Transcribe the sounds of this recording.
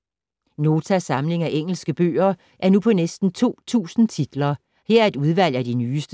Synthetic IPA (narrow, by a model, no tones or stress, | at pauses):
no̝ːt͡sʰæsɑ̈mle̝ŋæʔeŋ̰l̩sɡ̥əb̥ø̰ːɐ | ʔæɐnupʰɒ̽nesd̥n̩t͡sʰo̝̰ːt͡sʰṵːsn̩t͡sʰid̥lɐ | heɐ̰ɐe̝d̥uð̞ˠʋæl̰æd̥inyːsd̥ə